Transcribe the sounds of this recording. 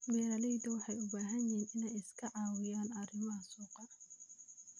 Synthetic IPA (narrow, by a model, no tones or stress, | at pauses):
bɛːɾɐlɛjd̪ɐwɑħɑjʊbaːɦɐnɪɦiːnɪnɛjɪskʰɐʕɑːwɪjaːnɐrɪmɐɦɐsuːqɑ